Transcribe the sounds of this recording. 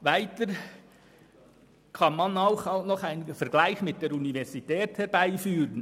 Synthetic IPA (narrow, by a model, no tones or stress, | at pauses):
vaɪtəɾ | kʰɑnmɑnɑʊxnɔχaɪnfəɾɡlaɪçmɪt̚d̥eːɾunivɛɾsitɛːthɛɾbaɪfyːɾən